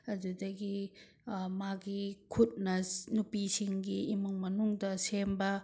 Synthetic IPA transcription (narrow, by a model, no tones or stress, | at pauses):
ɐdudɐɡi | maɡikʰut̚nɐnupisiŋɡiːmuŋmɐnuŋdɐsembɐ